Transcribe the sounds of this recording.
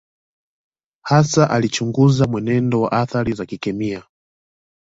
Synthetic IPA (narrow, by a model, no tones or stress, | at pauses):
hasaʔalit͡ʃuŋɡuzamwɛnɛndɔwa̰ʔaθaɾizakikɛmia